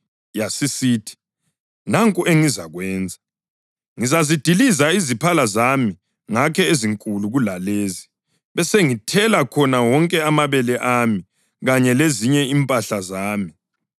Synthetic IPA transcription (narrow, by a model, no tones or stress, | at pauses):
jasisiːtʰi̥ | naŋkʼuʔeŋizaɣwɛːnd͡zʱa | ŋizazid̥ʱilizaizipʰalazami | ŋakʰɛeziŋkʼuluɣulaleːzi | βɛseŋitʰɛlakʰɔnawɔŋkʼɛamaβɛlɛʔami | ɣaɲɛleziɲɛimpʼaɬazaːmi